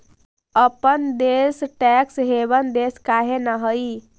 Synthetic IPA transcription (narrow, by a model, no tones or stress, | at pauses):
əpənd̪esʈɛksɦebənd̪eskaɦenəɦəj